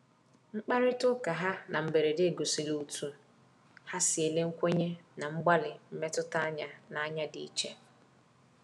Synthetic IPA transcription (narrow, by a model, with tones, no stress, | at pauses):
ŋ͡m̩˦k͡pa˦ɾɪ˦tʊ˦ka˨ɦa˦nʔa˨m̩˨be˨ɾe˨de˦e˨ɡo˨si˨lu˨u˨tʰu˨ | ha˦si˨e˨le˦ŋ̩˦kʷe˦ɲe˦na˨ŋ͡m̩˦ɡ͡ba˦lɪ˨m̩˦me˦tʊ˦ta˦ɲa˨na˨a˦ɲa˦dḭ˨i˦t͡ʃe˦